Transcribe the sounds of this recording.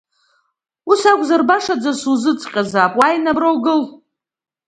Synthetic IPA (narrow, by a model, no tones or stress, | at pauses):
usakʷʼzarbaʂad͡zasuzɨt͡sʼqʲʼazaːpʼwajnabrowɡɨl